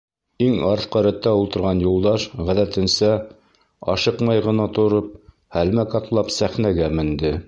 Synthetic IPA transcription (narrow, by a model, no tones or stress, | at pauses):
iŋɑɾθqɑɾæt̪ːæulˠt̪ɤ̆ɾʁɑnjulˠd̪ɑʃʁæðæt̪ɘ̆nsæ | ɑ̰ʃɤqmɑjʁɤ̆nɑt̪ŏɾɤp̚ | hælmækɑt̪lˠɑpsæχnæɡæmɘ̆nd̪ɘ